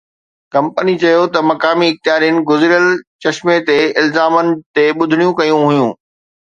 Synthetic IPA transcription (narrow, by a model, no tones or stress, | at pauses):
kɐ̃mpənit͡ɕɐjot̪ɐmɐkaːmiɪxt̪ɪjaːɾijənɪ̆ɡʊzɪɾijəlt͡ɕɐʃmet̪eɪlzaːmənɪ̆t̪eɓʊd̪ʱɽ̃ijũkɐjũɦʊjũː